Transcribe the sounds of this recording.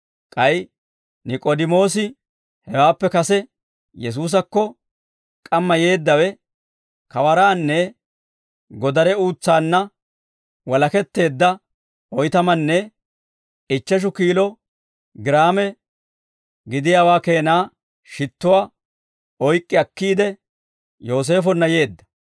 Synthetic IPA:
kʼɐj | nɪkʼod̪ɪmo̞ːs̬ɪ | hɛwaːpːɛkɐsɛ | jɛs̬uːs̬ɐkːɔ | kʼɐmːɐje̞ːd̪ːɐwɛ | kɐwɐɾaːnːɛ | ɡɔd̪ɐɾɛuːt͡sːaːnːɐ | wɔlɐkɛt̪ːe̞ːd̪ːɐ | ɔjt̪ɐmɐnːɛ | ɪt͡ʃːɐʃ̬ʊkiːlɔ | ɡɪɾaːmɛ | ɡɪd̪ɪjaːwaːke̞ːnaː | ʃɪt̪ːʊwaː | ɔjkʼːɪɐkːiːd̪ɛ | jo̞ːs̬e̞ːfɔnːɐje̞ːd̪ːɐ̥

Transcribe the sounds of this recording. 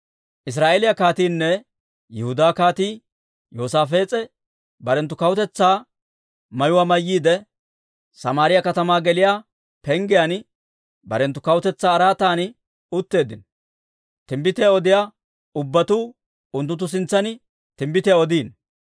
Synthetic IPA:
ʔɪs̬ɾaːʔeːlɪjɐkaːt̪iːnːɛ | jɛhʊd̪aːkaːt̪iː | joːsaːfe̞ːt͡sʼɛ | bɐɾɛnt̪̬ːʊkɐwt̪ɛt͡sːaː | mɐjʊwaːmɐjːiːd̪ɛ | sɐmaːɾɪjɐkɐt̪ɐmaːɡɛlɪjaː | pɛŋɡɪjan | bɐ̰ɾɛnt̪ːʊkɐwʊt̪ɛt͡sːaːɾaːt̪aːn | ʊt̪ːe̞ːd̪ɪn | t̪ɪmbɪt̪ɪjaɔd̪ɪja | ʊbːɐt̪uː | ʊnt̪ːʊt̪ːʊs̬ɪnt͡sːɐnɪ | t̪ɪmbɪt̪ɪjaɔd̪iːn

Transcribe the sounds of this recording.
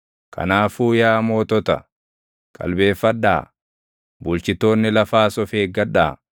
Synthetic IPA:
kʰɐ̰naːfuːjaːmo̞ːt̪ɔt̪ɐ̰ | kʼɐ̰lbe̞ːfːɐᶑːa̰ː | bʊlt͡ʃɪt̪ːo̞ːnːɪlɐfaːsɔfeːɡɐᶑa̰ː

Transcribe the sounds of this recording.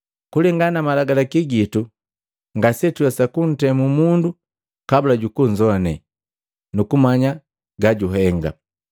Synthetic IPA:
kulɛŋɡanamalaɡalakiɡitu | ŋɡasɛtuasakun̩tɛmumundu | kabulaɟukuɲd͡ʒɔanɛ̰ | nukumaɲa | ɡaɟuɦɛŋɡa̰

